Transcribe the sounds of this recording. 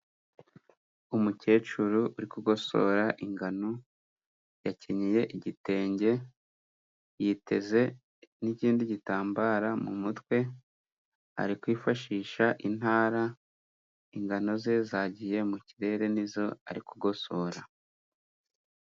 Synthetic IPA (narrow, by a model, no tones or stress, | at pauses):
umuce̞ːt͡ʃuɾuʔuɾikuɡo̞so̞̰ːɾaʔiŋɡano | jaciɲije̞ʔiɟite̞ːɲɟe̞ | jite̞ze̞ | niciːndiɟitaːmbaːɾamumutkwe̞ | a̰ɾikwiːfaʃiːʃaʔin̥haːɾa | iŋɡano̞ze̞zaːɟije̞muciɾe̞ːɾe̞nizo̞a̰ɾikuɡo̞so̞ːɾa